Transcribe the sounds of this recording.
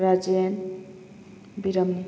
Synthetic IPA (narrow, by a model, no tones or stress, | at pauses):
ɾad͡ʒen | biɾəm